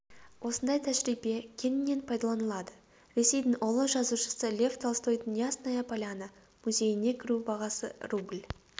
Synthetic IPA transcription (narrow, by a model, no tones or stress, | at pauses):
wʔo̞sənd̪ɑjt̪ʰæʒɾijbe̞kʲʰe̞nɪnːe̞npʰɑjd̪ɑlˠɑnəlˠɑd̪ə | ɾe̞se̞jd̪ɪŋʔolˠəʒɑzuʃə̥səlʲe̞vt̪ʰɑlˠst̪ojd̪ənjɑsnɑjɑpʰɑlʲanə | muze̞jɪne̞kʲʰɪɾubɑʁɑsə̰rublʲ